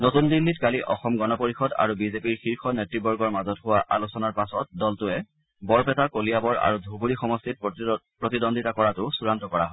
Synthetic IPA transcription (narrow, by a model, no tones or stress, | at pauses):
notundilːitkaliʔɔxɔmɡɔnɔpoɹixɔda̰ɹubizepiɹxiɹxɔnetɹibɔɹɡɔɹmazɔtɦʊwaʔalusɔnaɹpasɔt̚dɔltʊɛ | bɔɹpɛtakoliabɔɹa̰ɹudʱubuɹixɔmɔstit̚pɹotidɔndʱitakɔɹatʊsuɹantɔkɔɹaɦɔ